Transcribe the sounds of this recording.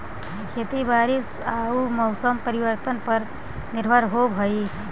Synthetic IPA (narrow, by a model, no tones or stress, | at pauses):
kʰet̪ibaɾis | aumɔʊsəmpəɾiʋəɾt̪ənpəɾ | niɾbʱəɾɦobʱəi